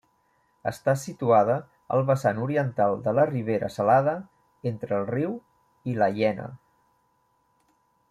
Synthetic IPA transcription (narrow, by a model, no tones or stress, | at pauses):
ə̰st̪asit̪uaðə | ə̰lˠβəsanuɾiənt̪alˠd̪ələriβ̞eɾə̰səlaðə | ent̪ɾəːlˠriw | iləʎɛnə̰